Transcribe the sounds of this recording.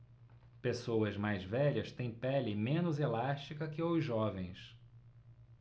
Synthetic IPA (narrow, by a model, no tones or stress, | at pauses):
pesowɐzmajzvɛʎɐst̪ẽj̃pɛlɪmẽnʊzelaʃt͡ʃikɐkɪozɔvẽj̃s